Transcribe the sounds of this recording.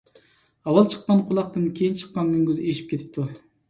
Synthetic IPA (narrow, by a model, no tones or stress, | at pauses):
ɑwɑlˠt͡ʃʰə̥qːɑnqʰʊlˠɑq̚t̪ɨmkʲʰejint͡ʃʰə̥qːɑŋɡʲyŋɡʲøzeʃi̥p̚kʲet̪ʰɪ̥p̚t̪ʰu